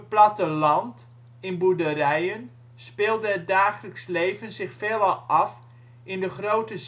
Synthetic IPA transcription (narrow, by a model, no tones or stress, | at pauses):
plɑtəlɑnt | ɪnbudərɛjən | spɪːlˠdəət̚daːχələkslejvənzɪxfeːlˠɑlˠɑf | ɪndəχrowtəs